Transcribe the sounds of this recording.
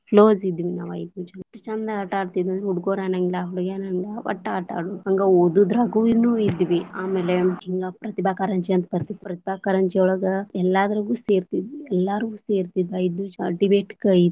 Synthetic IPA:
ploːzid̪ʋinaːʋɐjd̪ut͡ʃɐnʈːɐt͡ʃɐnd̪ɐɐʈaːɽt̪id̪ɐnd̪ɾuɽɡoːɾaːnɐŋɡlaɦuɽɡenɐŋɡaʋɐ̰ʈːaːʈa̰ːɽuɐŋɡɐod̪ud̪ɾɐɡuʋinuid̪iʋiaːmeːleiŋɡapɾɐt̪ibaːkaɾɐɲt͡ʃiɐnt̪ɐpɐɾt̪it̪ːpɾɐt̪ibaːkɐɾɐɲt͡ʃiɔɭɐɡɐɛlːaːd̪ɐɾɐɡuːseːɾt̪id̪iɛlːaːɾuɡuːseːɾt̪id̪iɐjd̪uɖibeːʈkɐid̪

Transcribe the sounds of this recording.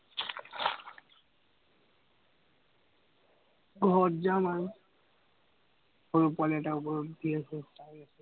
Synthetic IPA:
ɡʱɔtzaman | oɹupwalɛtaupɔɹɔddiasɛsaɹiasɛ

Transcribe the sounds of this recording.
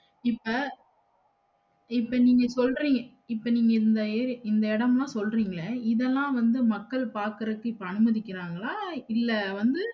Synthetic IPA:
ɪpːɐ | ɪpːɐniːŋɡɐsɔlɾiːŋɡɐ | ɪpːɐniːŋɡɐɪnd̪ɐɾɪnd̪ɐɪɽɐmlãːsɔlriːŋɡɐɭɐɪðɛlːãːʋɐnd̪ɯmɐkːɐɭpaːɾkɐɾɐɯkːɯɪpːɐɐnɯmɐðɪkːɪɾaːŋɡɐlaːɪlːɐʋɐnd̪ɯ

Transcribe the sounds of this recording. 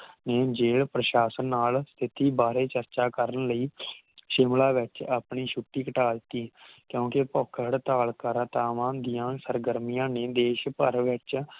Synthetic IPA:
neːd͡ʒeːɭpɾəʃaːsənːaːlst̪ʰɪt̪iːbaːɾeːt͡ʃəɾt͡ʃaːkəɾənləiː | ʃɪmlaːʋɪt͡ʃaːpɳiːʃʰʊʈːiːkəʈaːlt̪iːkjõːkepɔkʰəɽt̪aːlkəɾt̪aːʋãːd̪ijãːsəɾɡəɾmijãːneːd̪eːʃpəɾʋɪt͡ʃ

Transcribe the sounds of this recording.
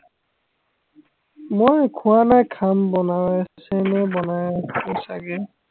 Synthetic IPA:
mojkʰʊanajkʰambɔnawsɛnɛbɔnajɔsaɡɛ

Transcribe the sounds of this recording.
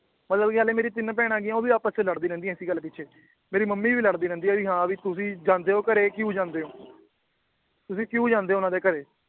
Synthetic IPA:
mət̪ləbkaːleːmeːɾiːt̪ɪnp̬ɛːɽ̃ãːɡɪãːoːʋiːaːpət͡ʃələɽd̪iːɾɛ̃ːnd̪iːɛ̃ːɪsiːɡəlːpɪtːʃʰeː | meːɾiːməmːiːʋiːləɽd̪iːɾɛ̃ːnd̪iːɛːʋiːɦãːʋiːt̪ʊsĩːd͡ʒãːnd̪eːoːkəɾeːkiuːd͡ʒãːnd̪eːõː | t̪ʊsĩːkiuːd͡ʒãːnd̪eːoːʊnãːd̪eːkəɾeː

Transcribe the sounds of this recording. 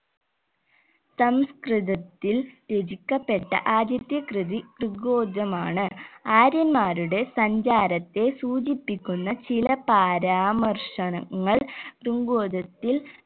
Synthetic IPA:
sɐmskrɨðɐt̪ːilt̪ed͡ʑikʲːɐpːe̞ʈːɐ̰ʔaːd̪jɐt̪jɐkrɨðikruŋɡoːd̪ɐmaːɳɨaːɾjɐnmaːɾuɽe̞sɐɲd͡ʑaːɾɐt̪ːe̞suːd͡ʑipːikʲːunːɐt͡ɕilɐpaːɾaːmɐrʂɐɳɐŋːɐɭkruŋɡoːd̪ɐt̪ːil

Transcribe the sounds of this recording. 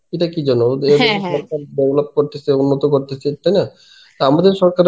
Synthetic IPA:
eʈakid͡ʑɔnoeɔɾkaɾbebolop̚koɾt̪esʰeunːot̪okoɾt̪et͡ʃʰet̪ajna | t̪oamad̪eɾʃɔɾkaɾ

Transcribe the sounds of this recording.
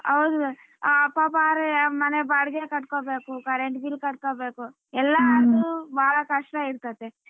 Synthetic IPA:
ɐwd̪u | ɐpːaːpaːɾmɐnebaːɽɡekɐʈːkoːbeːkukɐɾeɳʈbilkɐʈ̚koːbeːku | ɛlːaɐɾt̪ubaːɭɐkɐʂʈaiɾt̪at̪ːe

